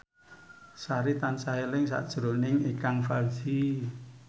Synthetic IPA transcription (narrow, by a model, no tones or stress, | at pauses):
saɾit̪ansaɦelɪŋsa̰ʔd̥ʒ̥ɾonɪŋikaŋfald͡ʒi